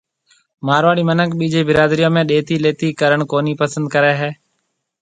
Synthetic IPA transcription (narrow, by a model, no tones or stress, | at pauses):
maːɾʋaːɽiːmənəkɓiːd͡ʒeːbɪɾaːd̪ɾijõːmẽːɗeːt̪iːleːt̪iːkəɾəɳkoːniːpəsə̃nd̪̚kəɾeːɦeː